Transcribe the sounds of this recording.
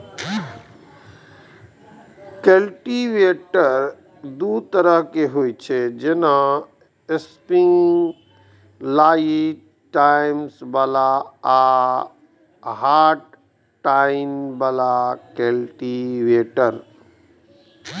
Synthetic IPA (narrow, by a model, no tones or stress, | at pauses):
kelʈiʋeʈəɾɾ | d̪ut̪əɾəɦkeɦoːit͡ʃʰed͡ʒena | espiŋ | laːi | ʈaɪmsbaːlaa | ɦaːʈ | ʈːaɪnbalakelʈiʋeːʈəɾ